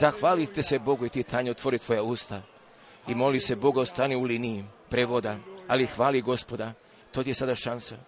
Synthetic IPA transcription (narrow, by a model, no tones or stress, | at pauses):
zaxʋaːlit̪ese̞bo̞ɡuit̪it̪ʰaːɲeot̪ʋo̞ɾit̪ʋo̞jauːst̪a | imo̞lise̞bo̞ɡaost̪aːniulinijipɾeʋod̪aalixʋaːliɡo̞spo̞d̪a | t̪ot̪ije̞sad̪aʃansa